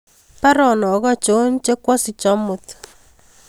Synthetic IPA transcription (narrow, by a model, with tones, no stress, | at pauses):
pa˦ɾɔ˨nɔ˨ɡɔ˦t͡ʃo˨˦nt͡ʃe˦kwɔ˦si˨t͡ʃɔ˦mu˨t̪